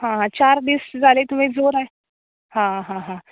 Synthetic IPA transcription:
ɦãɦãt͡ɕaɾd̪isd͡zalet̪um̤ed͡zoɾae | ɦãɦãɦã

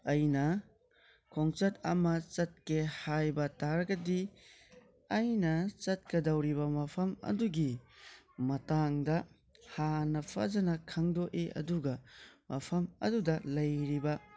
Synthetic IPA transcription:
ɐjnɐ | kʰoŋt͡ʃɐtɐ̰mɐt͡ʃɐt̚kehajbɐtaɾɐɡɐdi | ajnɐt͡ʃɐt̚kɐdɐwɾibɐmɐpʰɐmɐ̰duɡi | mɐtaŋdɐ | hanɐpʰɐ̰zɐnɐkʰɐŋdoʔeʔɐ̰duɡɐmɐpʰɐmɐ̰dudɐlɐjɾibɐ

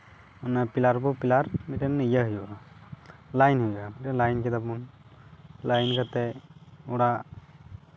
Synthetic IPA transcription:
manapilaɾbɔpilaɾmitɛnːijaɦujua | lajnhujamitɛnlajnkʰid̪apun | lajnkat̪ɛuɽa

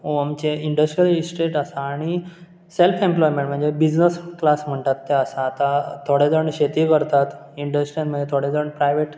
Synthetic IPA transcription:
oamt͡ɕeiɳɖəsʈɾijəlisʈeʈəsaːɽ̃i | selfẽmplɔjmẽɳʈm̤əɳd͡zebid͡ʑnəsklasm̤əɳt̪at̪ːeəsaːt̪at̪ʰoɽed͡zəɳɕet̪ikəɾt̪at̪ | iɳɖəsʈɾijãnm̤əɳd͡ʑet̪ʰoɽed͡zəɳpɾajʋeʈ

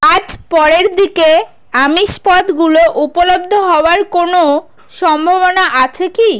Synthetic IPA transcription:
ad͡ʑpɔɾeɾd̪ike | amiʃpɔt̪ɡuloʔupolob̚d̪ʱoɦɔoaɾkono | ʃɔmbʱaβonaʔat͡ɕʰeki

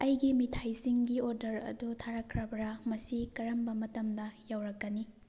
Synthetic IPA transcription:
ɐjɡimitʰajsiŋɡioɾdɐɾɐ̰dutʰaɾɐkʰɾɐbɾɐmɐsikɐɾɐmbɐmɐtɐmdɐjawɾɐkːɐni

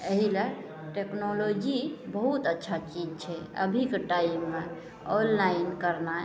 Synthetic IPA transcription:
əɦile | ʈeknolod͡ʒibəɦut̪ətːʃʰat͡ʃid͡ʒt͡ʃʰɛə̰bʱikeʈaimːe | onlainkəɾna

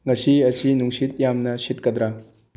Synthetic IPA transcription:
ŋɐsiɐsinuŋsit̪̚jamnɐsit̚kɐd̪ɾa

